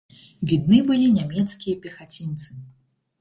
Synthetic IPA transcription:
vʲid̪nɨbɨlʲinʲamʲɛt̪skʲijɐpʲɛxat͡sʲint̪sɨ

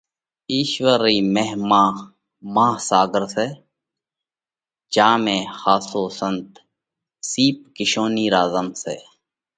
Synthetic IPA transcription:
iːʃʋəɾiːmeɦmãː | mãːhsaːɡəɾseː | t͡ʃaːmẽːxaːsoːsənt̪ | siːp̚kɪʃoːniːɾaːzəmsḛː

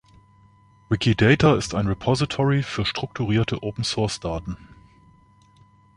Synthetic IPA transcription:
ʁɪkʰidɛɪtʰaɪstaɪnʁepʰɔzitʰɔʁifyːɐʃtʁ̥ʊk̚tʰuʁiːɐtʰəʔoːpn̩sɔɐsd̥aːtn̩

